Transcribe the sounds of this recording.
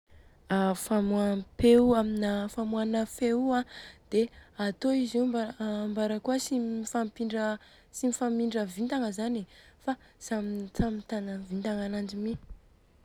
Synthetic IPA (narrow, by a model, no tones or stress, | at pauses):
afamuapeuaminəfamuanafeuad̪̥eat̪oizibambaɾəkuəsiifampiɳɖ͡ʐə | simifamiɳɖ͡ʐəvint̪aŋəzanifa | samint͡samit̪anəvint̪aŋanand͡ʒimi